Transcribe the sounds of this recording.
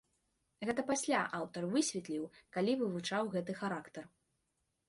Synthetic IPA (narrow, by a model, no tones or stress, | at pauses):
ɣɛt̪ɐpasʲlʲaʔawt̪ɐrvɨsʲvʲɛt̪lʲiwkalʲivɨvut͡ʂawɣɛt̪ɨxaɾakt̪ɐr